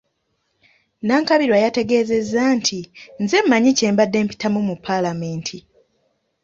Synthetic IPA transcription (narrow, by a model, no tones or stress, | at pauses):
naːŋkaβiɾwajate̞ɡe̞ːze̞zːantʰinzemːaɲice̞ːmbadːe̞ːmpi̥tamumupʰːalame̞ːntʰi